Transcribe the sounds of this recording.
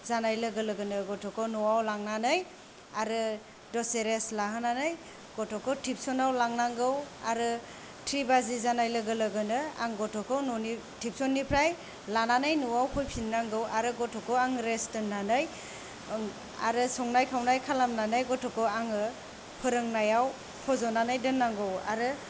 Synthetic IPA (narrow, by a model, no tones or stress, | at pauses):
zanajlɯɡɯlɯɡɯnɯɡɔtʰɔkʰɔnɔwawlaŋnanɯj | aɾɯ | dɔseɾeslaɦɯnanɯj | ɡ̥ɔtʰɔkʰɔtʰip̚sɔnawlaŋnaŋɡɯwaɾɯ | tʰɾibazizanajlɯɡɯlɯɡɯnɯa̰ŋɡɔtʰɔkʰɔwnɔni | tʰip̚sɔnːipʰɾaj | lananajnuwawpʰɔjpʰinːaŋɡɯwʔaɾɯɡɔtʰɔkʰɔwaŋɾestɯnːanɯj | a̰ɾɯsɔŋnajkʰawnajkʰalamnanajɡɔtʰɔkʰɯwaŋɯ | pʰɯɾɯŋnajaw | pʰɔzɔnanajdɯnːaŋɡɯwa̰ɾɯ